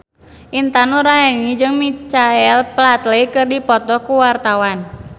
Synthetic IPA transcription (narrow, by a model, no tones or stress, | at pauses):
ʔint̪anuɾaɛŋid͡ʒɨŋmit͡ʃaɛlplat̪leikɨrdipɔt̪ɔkuwart̪awan